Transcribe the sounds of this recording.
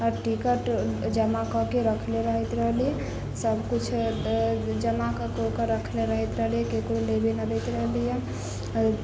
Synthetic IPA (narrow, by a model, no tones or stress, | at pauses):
əɾʈikəʈd͡ʒəmakɔkeɾəkʰleɾəɦɛt̪ɾəɦliɛ | səbʱkut͡ʃʰ | d͡ʒəmakəkokeɾəkʰleɾəɦɛt̪ɾəɦlijɛkekɾolebenad̪ət̪ɾəɦlijɛ | ɾ